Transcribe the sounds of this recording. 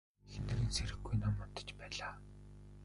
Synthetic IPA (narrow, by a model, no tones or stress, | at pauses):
xenĕɾɘ̆nsʰeɾɘ̆ɡːujnamɔn̥t̪ə̥̆t͡ɕpæːɮaː